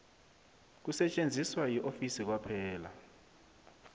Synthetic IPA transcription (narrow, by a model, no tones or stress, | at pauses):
k̬usɛt͡ʃʼend͡zʱiswajiʔofisik̬wapʰɛːla